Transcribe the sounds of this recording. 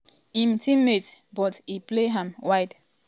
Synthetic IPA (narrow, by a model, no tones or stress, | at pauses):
ĩmtʰĩmetbɔtipleɦãmwaɪd